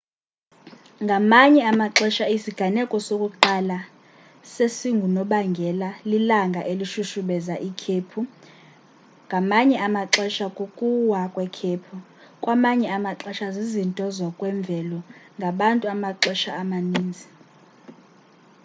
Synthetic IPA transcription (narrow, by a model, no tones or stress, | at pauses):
ŋɡʱamaɲɛamaǁɛʃaisiɡ̥ʱanɛkʼɔsokʼuǃala | sesiŋɡʱunɔɓaŋɡʱɛlalilaŋɡʱaʔeliʃuʃuɓɛzaʔikʰepʰu | ŋɡʱamaɲɛʔamaǁɛʃakʼukʼuwakʼwɛkʰeːpʰu | kʼwamaɲɛamaǁɛʃazizintʼɔzwakʼwɛɱb̪vʱɛlɔŋɡʱaɓantʼuamaǁɛʃaːmaniːnd͡zʱi